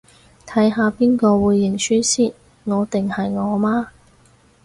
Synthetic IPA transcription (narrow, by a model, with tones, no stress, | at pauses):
t̪ʰɐ˨˥jɦaː˨˧piː˥nkɔː˧wuː˨˧jːɪ˨˩ŋsyː˥siː˥˩ | ŋɔː˨˧t̪ɪ˨ŋhɐ˨jŋɔː˨˧maː˥